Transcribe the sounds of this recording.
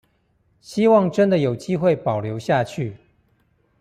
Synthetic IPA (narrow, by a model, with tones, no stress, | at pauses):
ɕi˥wɑ˥˩ŋʈ͡ʂə˥nd̪ə˨jo˨˩ʊt͡ɕi˥xwe˥˩ɪpɑ˨˩ʊljo˧˥ʊɕja˥˧t͡ɕʰy˥˩